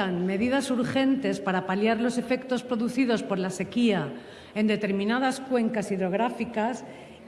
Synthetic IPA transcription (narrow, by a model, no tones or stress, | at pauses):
anme̞ðiðasuɾxe̞nt̪e̞spaɾapaljaɾlo̞se̞fe̞kt̪o̞spɾo̞ðuθiðo̞spo̞ɾlase̞kia | e̞nd̪e̞t̪e̞ɾmĩnað̞askwe̞ŋkasiðɾo̞ɣ̞ɾafikas